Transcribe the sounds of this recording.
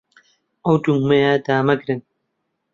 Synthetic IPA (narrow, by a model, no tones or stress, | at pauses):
ʔɐwd̪uŋmejad̪aːmɐɡɾɨn